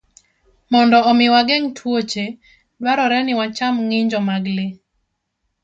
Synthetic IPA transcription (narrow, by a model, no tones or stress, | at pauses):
mɔndɔɔmɪwaɡɛŋtʰwot͡ʃe | dwaɾɔɾɛnɪwat͡ʃamŋɪɲd͡ʒɔmaɡlɪ